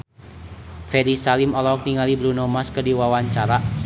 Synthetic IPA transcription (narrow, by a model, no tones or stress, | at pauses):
fɛɾisalimɔlɔk̚niŋalibɾunɔmaskədiwawaɲt͡ʃaɾaʔ